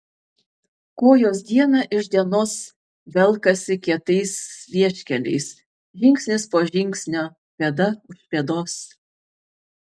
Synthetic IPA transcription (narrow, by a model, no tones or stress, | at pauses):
koːjoːsd̪ʲiɛnɑʔɪʒʲd̪ʲiɛnoːs | ʋʲɛlˠˑkɐsʲɪkʲiɛt̪ɐɪsʋʲiɛʃʲkʲɛlʲɛ̰ɪs | ʒʲɪŋʲksʲnʲɪspoːʒʲɪŋʲˑksʲnʲoː | pʲeːd̪ɐʊʃʲpʲeɛd̪oːs